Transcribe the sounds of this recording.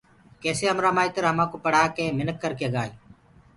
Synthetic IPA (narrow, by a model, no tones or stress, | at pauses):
keːseːɦəmɾaːmaːiːt̪əɾɦəmãːkoːpəɽ̤aːkeːmɪnəkːəɾkeːɠaːeː